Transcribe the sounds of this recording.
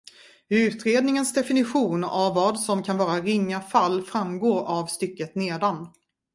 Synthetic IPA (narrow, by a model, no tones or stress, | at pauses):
ʉ̟ːt̪ɾeːd̪nɪŋənsd̪ɛfɪnɪɧuːnavːɑːd̪sɔmkʰanvɑːɾaɾɪŋːafalːfɾamɡoːɾavst̪ʏkːət̪neːd̪an